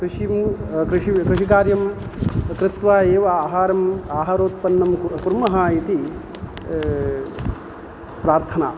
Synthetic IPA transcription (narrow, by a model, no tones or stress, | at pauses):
kɾɪʂimkɾɪʂikɾɪʂik̬aːɾjɐm | kɾɪt̪ʋaːeːʋɐaːɦaːɾɐmaːɦaːɾoːt̪̚pɐnːɐmkuɾmɐɦaːit̪i | pɾaːɾt̪ʰɐnaː